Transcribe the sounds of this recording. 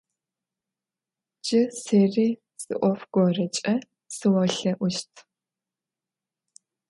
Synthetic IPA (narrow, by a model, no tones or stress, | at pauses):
d͡ʒɪseːriː | sɨ̰ʔʷɔfɡ̥ʷɔrɐt͡ʃʼɐ | sɨwɐɬɐʔʷʊʃtʰ